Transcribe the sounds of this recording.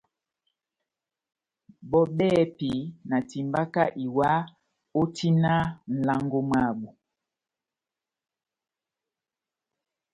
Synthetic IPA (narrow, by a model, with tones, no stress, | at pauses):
bɔ˦ɓɛ˦pi˨na˨ti˨mba˦ka˦ʔi˨wa˦ | o˦ti˦na˦n̩˨la˦ŋɡo˦ma˦˨ɓu˨